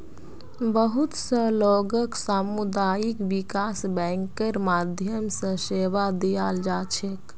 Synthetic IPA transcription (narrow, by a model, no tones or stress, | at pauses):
bəɦut̪səloɡəksamud̪ajikʋikasbɛŋkəɾmad̪ʱjəmsə̃seʋad̪ijald͡ʒat͡ʃʰek